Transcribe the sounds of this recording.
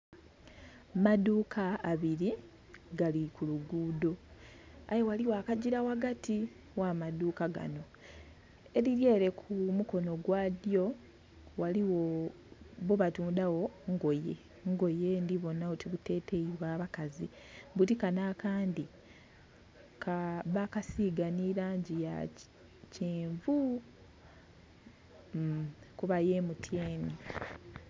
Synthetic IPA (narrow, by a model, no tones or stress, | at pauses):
maduːkʰaːβiɾi | ɡalikuluɡuːdo̞ | ajowaliwakaɟiɾawaɡati | wamaduːkaɡa̰no | e̞ɾiɾje̞ːɾe̞kʰumuko̞no̞ɡwaːdjo̞ | waliwo̞ | βoβatuːndawo̞ŋɡojḛ | ŋɡo̞je̞ndiβo̞nːaotiβute̞ːte̞iβwaːβakazi | βuɾikanaːkaːndi | kʰaβakasiɡaniɾaːɲɟija̰ | ceːɱvu | kuβaje̞ːmutʰje̞ːni